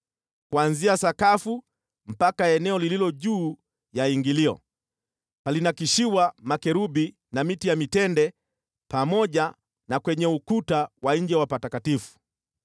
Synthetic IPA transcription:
kwanziasakafu | m̩pakaɛnɛɔlililɔʄuː | jaiŋɡiliɔ̰ | palinakiʃiwamakɛɾubi | namitijamitɛndɛ | pamɔʄa | nakwɛɲɛukutawaɲd͡ʒɛwapatakatifu̥

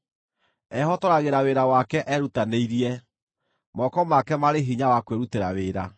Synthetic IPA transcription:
ɛhɔtɔɾaɣeɾaweɾawakɛʔɛɾutaneiɾiɛ | mɔkɔmakɛmaɾeɦiɲawakweɾuteɾaweːɾa

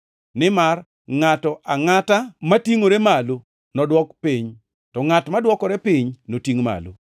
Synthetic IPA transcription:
nɪmar | ŋatɔʔaŋatamatiŋoɾemalo | nɔdwɔkpiɲ | tɔŋatmadwɔkɔɾɛpiɲnotiŋma̰lo̰

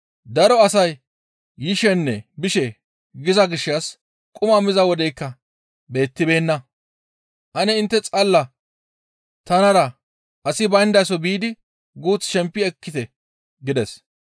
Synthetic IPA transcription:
d̪ɐɾɔɐsɐjː | ɪʃɛnːɛbɪʃɛ | ɡɪzɐɡɪʃːɐs | kʼʊmɐmɪzɐwɔd̪ɛjkːɐ | be̞ːt̪ːɪbe̞ːnːɐ | ʔɐnɛɪnt̪ːɛt͡sʼɐlːɐ | t̪ɐnɐɾɐ | ʔɐsɪbɐjnd̪ɐjs̬ɔbiːd̪ɪ | ɡuːt͡sːʃɛmpːɪɛkːɪt̪ɛ | ɡɪd̪ɛs

